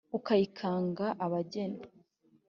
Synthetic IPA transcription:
ukaikʰaːŋɡaʔaβaɟena

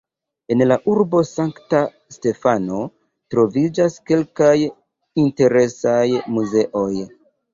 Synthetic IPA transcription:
e̞nlaʔuɾbo̞saŋkta | ste̞fano̞ | tɾo̞vid͡ʒaske̞lkaj | inte̞ɾe̞sajmuze̞ʔo̞j

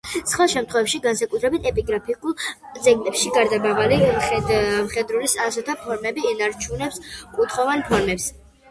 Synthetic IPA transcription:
sχwalˠʃɛmt̪ʰχwɛvɛpʃiɡansakʼut̪ʰɾɛbit̪ʰɛpʼiɡɾapʰikʼulˠzɛɡlɛpʃiɡaɾd̪abavaliɛmχɛd̪ɾulisasɔt̪ʰapʰɔɾmɛbiːnaɾt͡ʃʰunɛpskʼut̪ʰχɔvanpʰɔɾmɛps

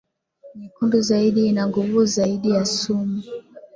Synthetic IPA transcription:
mikunduzaiɗiinaŋɡuvuzaiɗijasumu

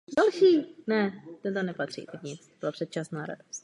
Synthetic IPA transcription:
dalʃiːnɛt̪ɛnt̪anɛpat̪r̥ḭːt̪ɛkɲɪt͡st̪obɪlapr̥ɛt̪t͡ʃasnaːɾa̰dost̪

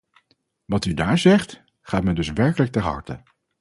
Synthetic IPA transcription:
ʋɑtydaːɹzɛχt | χaːtmɛndɵsʋɛɹkələk̚tɛɹɦɑ̰ɹtə̰

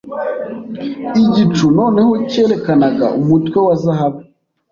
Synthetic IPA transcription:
iɟit͡ʃuno̞ːne̞ho̞ce̞ɾe̞kanaɡa̰ʔumutwe̞wazaɦaβu

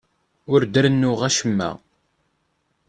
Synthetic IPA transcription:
ʊɾd̪əɾənːʊʁæʃəmːæ̰

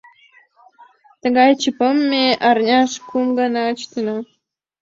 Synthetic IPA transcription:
t̪ə̆ɡɑjt͡ɕipə̆mʲːeʔɑrnʲɑʃkumɡɑnɑə̆t͡ɕt̪ɤ̆nɤ

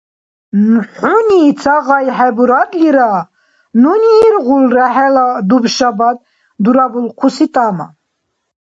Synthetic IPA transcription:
nħuniːt͡sʰaɣajħɛbuɾad̪liɾa | nuniːɾɣulɾaħɛlad̪ubʃabad̪̚ | d̪uɾabulqʰusit̪ʼama̰

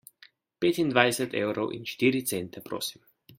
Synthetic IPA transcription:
peːt̪ind̪ʋajsɛt̪ḛːwɾɔwʔḭnʃt̪iːɾit̪sent̪ɛpɾo̰ːsi̥m

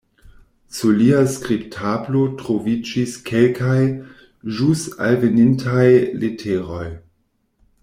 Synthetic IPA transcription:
suliaskɾiptʰablo̞tɾovid͡ʒiskʰe̞lkʰaj | ʒusta̰lvenintʰajletʰeɾo̞j

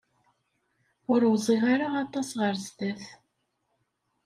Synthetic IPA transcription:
ʊɾwzˤiʁaɾaɑt̪ˤːɑsʁəɾzt̪æθ

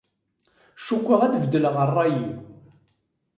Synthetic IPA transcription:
ʃukʷːəʁæd̪vəd̪ələʁərˤːɑjiw

